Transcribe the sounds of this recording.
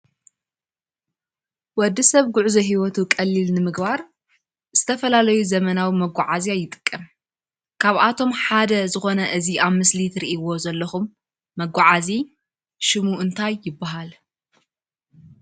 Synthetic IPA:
wɔd̪ːisɐβɡʊʕuzɐɦiwɔt̪ukʼɐlːilnɨmɨɡbaɾ | z̥ɨt̪ʰɐfɐlalɐjuzɐmɐnawimɐɡʷːaʕazijajːɪt̪ʼɨ̥kʼːɐm | kʰaβʔat̪ʰo̞mħad̪ɐzɨxo̞nɐʔɨziaβmɨslit̪ʰɨɾiʔiwo̞zɐlːɐxumː | ɐɡʷːaʕazi | ʃɨmuʔɨnt̪ʰajːɪbːaɦal

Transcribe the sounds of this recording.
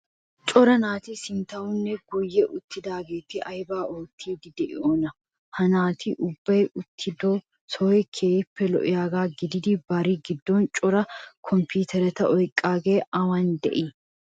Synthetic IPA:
t͡ʃʼɔɾɐnaːt̪isɪnt̪ɐʊnːɛɡɔjːɛʔʊt̪ːɪd̪aːɡeːt̪ɪʔɐjbaːoːt̪ʰːiːd̪ɪd̪ɛʔɪ̰oːnɐ | hɐnaːt̪ʰɪʔʊbːɐjʔʊt̪ʰːɪd̪oː | sɔːɛkʰeːpːɛlɔ̰ʔɪjaːɡaːɡɪd̪ɪd̪ibɐɾiːɡɪd̪ːoːnt͡ʃʼɔɾɐkʰɔmpʰuːt̪ʰɛɾɛt̪ɐʔɔjkʼːaːɡeːɐwɐnd̪ɛ̰ʔi

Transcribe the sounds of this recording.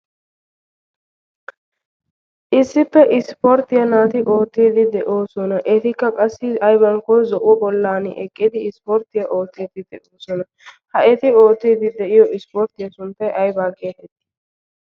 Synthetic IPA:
ʔɪsːɪpːɛʔɪspoɾt̪ɪjɐnaːt̪ɪʔo̞ːt̪ːiːd̪ɪd̪ɛʔo̞ːsɔnɐʔɛt̪ɪkːɐkʼɐsːɪɐjbɐŋkɔjzɔʔwɔbɔlːaːnɪ̰ʔɛkʼːɪd̪ɪːspɔɾt̪ɪjɐʔo̞ːt̪ːiːd̪ɪd̪ɛʔoːsɔnɐ | hɐʔɛt̪ɪoːt̪ːiːd̪ɪd̪ɛʔɪjɔɪspoɾt̪ɪjɐsʊnt̪ɐjʔɐjbaːke̞ːt̪ɛt̪ːɪ̥

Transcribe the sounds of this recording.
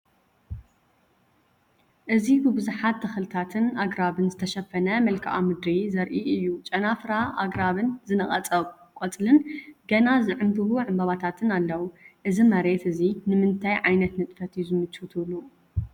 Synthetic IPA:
ʔɨzibɨbɨzuħat̪ːɐxɨlɨt̪ʰat̪ʰɨnaɡɾaβɨnzɨt̪ʰɐʃɐfɐnɐmɐlkʰaʔa̰mɨd̪ɾizɐɾʔiɨjːut͡ʃʼɐnafɾaʔa̰ɡɾaβɨnzɨnɐχʼɐt͡sʼɐβ | kʷʼot͡sʼlɨnɡɐnazɨʕɨnd̪ɨhuʕɨmbaβat̪ʰat̪ʰɨnalːɐwuʔɨzimɐɾe̞t̪ɨzinɨmɨnt̪ʰajʕajnɐt̪nɨt̪ʼfɐt̪juzɨmɨt͡ʃut̪ʰɨβlu

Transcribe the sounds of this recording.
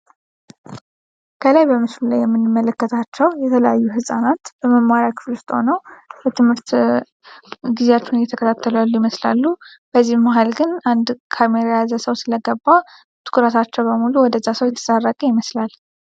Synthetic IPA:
kʰəlajbəmɨslulajɛmːɨnːɨmːələkːət̪ʰat͡ʃːɛwjɛt̪ʰələjajːuɦɨsʼanat̪b̥əməmːaɾjakʰɨ̥flust̪ʼo̰nəwbət̪ʰɨmhɨɾt̪ | ɡizeat͡ʃːɛunjɛt̪ʰəkʰət̪ʰat̪ʰːəlujalːujɪməslalːu | b̥əzːihmaɦalɡɨnand̪kʰameɾajazəsəwsɨləɡəbːa | t̪ʰɨ̥kʰuɾət̪ʰat͡ʃːɛwbəmuluwɔd̪əzasəwjɛt̪ʰə̥sʼarːəkʼəjɪməslal

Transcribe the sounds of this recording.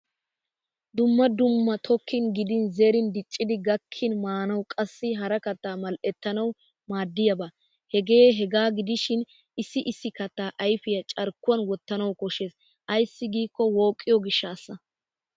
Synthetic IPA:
d̪ʊmːɐd̪ʊmːɐt̪ʰɔkʰːɪnɡɪd̪ɪnzeːɾɪnd̪ɪt͡ʃʼːɪd̪ɪɡɐkʰːɪnmaːnɐwkʼɐsːɪɦɐɾɐkɐt̪ːaːmɐlʔɛt̪ːɐnɐw | maːd̪ːɪjɐba | hɛɡeːɦɛɡaːɡɪd̪ɪʃɪn | ɪsːɪʔɪsːɪkɐt̪ːaːʔɐjfɪjɐt͡ʃʼɐɾkːʊwɐnwɔt̪ːɐnɐwkɔʃeːs | ʔɐjsːɪɡiːkːɔwo̞ːkʼːɪjɔɡɪʃːaːsːɐ

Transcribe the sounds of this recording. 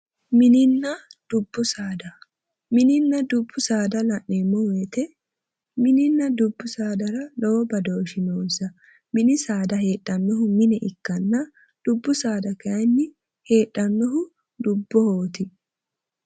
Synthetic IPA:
mɪnɪnːɐd̪̥ʊbːʊsaːd̪ɐ | mɪnɪnːɐd̪ʊbːʊsaːd̪ɐlɐʔːɛmːɔweːt̪ɛ | mɪnɪnːɐd̪ʊbːʊsaːd̪ɐɾɐlobɐd̪o̞ːʃɪnoːnsɐ | mɪnɪsaːd̪ɐɦe̞ːᶑːɐnːɔhʊmɪnɛʔɪkːɐnːɐ | d̪̥ʊbːʊsaːd̪ɐkɐnːɪ | he̞ːᶑɐnːɔɦʊ | d̪ʊbːɔhoːt̪ɪ

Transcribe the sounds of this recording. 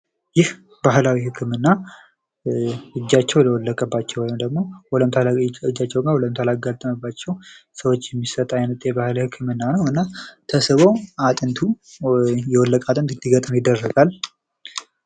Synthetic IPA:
jɪh | baɦhlawihɨkʰːɨmɨnːa | ɨd͡ʒːat͡ʃːɛwləwɔlːəkʼəbːat͡ʃːɛwɔjmd̪əɡmo̞wɔləmt̪ʰɨd͡ʒːat͡ʃːɛwɡawɔləmt̪ʰəlaɡat̪ʼːəməbːat͡ʃːɛwsəwot͡ʃːjɛmːisət̪ʼajnət̪ʼjɛbahlhɨkʰːɨmɨnːanəwɨnːat̪ʰəsɨβo̞at̪ʼɨnt̪ʰu | jɛwɔlːəkʼat̪ʼɨnt̪ʰɨnd̪iɡət̪ʼmjɪd̪ːərːəɡal

